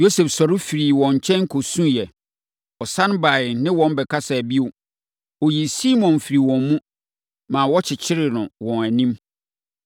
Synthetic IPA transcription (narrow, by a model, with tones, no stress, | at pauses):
jo˦se˨fsɔ˨ɾɪ˦fi˨ɾi˨wɔ̃˨ɲ˨t͡ɕʰɛ̃˦nŋ˦kʰo˨sũ˦jɛ˨ | ɔ˨sã˦n˦ba˨ɪ˨nɪ̃˦wɔ̃˦n˦bɛ˨kʰa˦sa˨æ˨bi˦o˨ | ɔ˨ji˨si˦mɔ̃˨nfi˨ɾi˨wɔ̃˨mmũ˦ | mã˨wɔ˦t͡ɕʰɪ˨t͡ɕʰɪ˦ɾɪ˨nʊ̃˨wɔ̃˨næ˨nĩ˦m